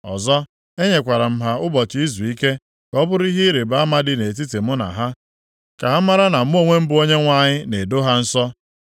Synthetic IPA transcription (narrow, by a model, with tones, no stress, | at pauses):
ɔ̰˨zɔ˦ | e˦ɲe˨kʷa˨ɾa˨m̩˦ɦa˦ʊ˦bɔ˨t͡ʃɪ˨˦i˦zu˨i˦ke˦ | kɔ˦bʊ˦ɾi˦ɦi˦i˦ɾe˨ba˦ma˦dɪ˦ne˨t̬i˦te˨mʊ˦na̰˨ɦa˦ | ka˨ɦa˦ma˦ɾa˦na˨m̩˦o˦ŋʷe˦m̩˦bʊ˦o˦ɲe˦ŋʷa˦ɲɪ˦ne˨do˦ɦa˦n̩˦sɔ˦